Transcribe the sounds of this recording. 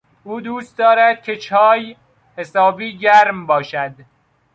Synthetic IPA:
uːd̪uːst̪̚d̪ɒːɾæd̪̥̚kʲʰe̞t͡ʃʰɒːj | hesɒːbiːɟæɾmbɒːʃæd̪

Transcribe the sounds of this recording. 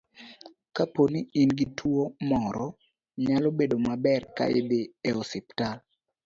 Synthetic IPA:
kaponiinɡitʰwomɔɾɔ | ɲalɔbedomabɛrka̰ḛd̪ɪɛɔsɛptal

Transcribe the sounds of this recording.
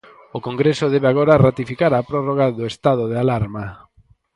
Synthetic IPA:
okoŋɡɾesoðɛβeaɣ̞oɾarat̪ifikaɾapɾoroɣaðoest̪að̞oð̞ealaɾma

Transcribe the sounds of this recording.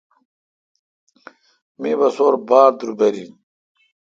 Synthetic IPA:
mĩːbɐsoːɾbaːɾd̪uɾubɐɾin

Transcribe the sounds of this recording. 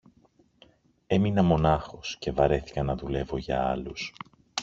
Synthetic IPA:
e̞minɐmo̞nɐxo̞sce̞vɐɾe̞θi̥kɐnɐðule̞vo̞ʝɐ̰ɐ̰lus

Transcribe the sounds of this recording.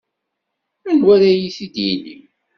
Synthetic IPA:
ænwæɾæjisid̪jinḭm

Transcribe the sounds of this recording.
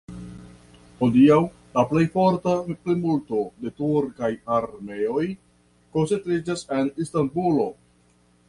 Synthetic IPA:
ho̞diaw | laple̞jfo̞ɾtaplimulto̞de̞tuɾkajaɾme̞o̞j | ko̞nsent̪ɾid͡ʒase̞nistanbulo̞

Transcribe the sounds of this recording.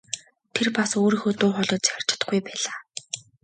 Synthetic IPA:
t̪ʰerpasoːɾiːxoːt̪ʊːχɔɮɞ̆t͡sar̥t͡ɕɪ̥̆t̪ə̆ɡujpæːɮaː

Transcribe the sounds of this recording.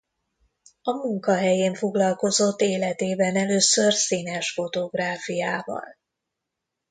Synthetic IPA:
ɒmuŋkɒɦɛjeːɱfo̞ɡlɒlko̞zo̞t̪ːeːlɛt̪eːbɛnɛløːsørsinɛʃfo̞t̪o̞ɡraːfijaːvɒ̰l

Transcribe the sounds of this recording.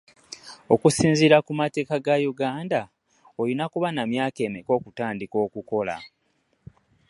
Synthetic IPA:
o̞kusiːnziɾakumate̞ːkaɡajuɡaːnda | ojinakuβanamjaːke̞ːmeko̞ːkutaːndiko̞ːkuko̞la̰

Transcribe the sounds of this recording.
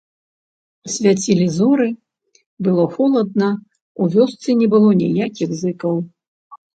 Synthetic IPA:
sʲvʲat͡sʲilʲizɔɾɨ | bɨlˠɔxɔlˠɐd̪̚nɐ | uvʲɔst̪sɨnʲɛbɨlˠɔnʲḭjakʲiɣzɨkɐw

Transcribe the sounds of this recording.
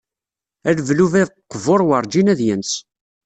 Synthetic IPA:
ælvluvæðqːəvoɾˤwəɾˤd͡ʒinæðjəns

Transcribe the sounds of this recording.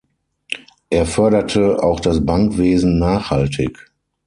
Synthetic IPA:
ʔeːɐfœɐɾɐtʰəa̰ʊxd̥asbaŋkv̥eːzn̩naːχhaltʰɪ̰k

